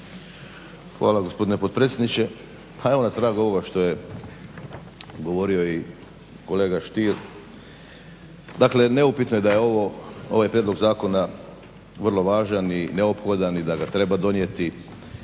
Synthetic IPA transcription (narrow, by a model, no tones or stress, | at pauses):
xʋa̰ːlaɡo̞spo̞d̪ine̞pot̪̚pɾet̪sʲjed̪nit͡ʃe̞ | pʰae̞ʋo̞nat̪ɾaːɡo̞ʋo̞ɡaʃt̪o̞je̞ | ɡo̞ʋo̞ɾio̞i | ko̞le̞ːɡaʃt̪iɾ | d̪akle̞ne̞upit̪noje̞d̪ajeoʋoo̞̰ʋajpɾjed̪lo̞ɡzaːko̞na | ʋr̩lˠo̞ʋaːʒanineopxo̞d̪anid̪aɡat̪ɾe̞bad̪o̞nje̞t̪i